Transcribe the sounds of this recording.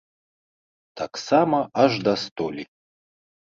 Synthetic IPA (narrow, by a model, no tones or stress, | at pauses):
t̪ʰaksamɐaʐd̪ɐst̪olʲi